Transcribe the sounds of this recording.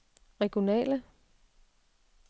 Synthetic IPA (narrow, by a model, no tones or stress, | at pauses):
ʁɛɡ̥jo̝nɛ̰ːlə